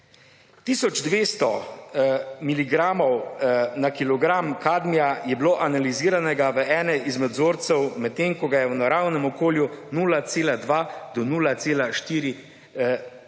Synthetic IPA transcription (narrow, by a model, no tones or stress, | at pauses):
t̪iːsɔd͡ʒd̪ʋeːst̪ɔ | miliɡɾaːmɔwnakilɔɡɾamkaːd̪mijajɛbloːʔanaliziːɾanɛɡaʋəʔɛːnɛʔizmɛd̪zoːɾt̪sɛwmɛt̪t̪ːeŋkɔɡajɛwnaɾawnɛmɔkoːljunuːlat̪seːlad̪ʋaːd̪ɔnuːlat̪seːlaʃt̪iːɾi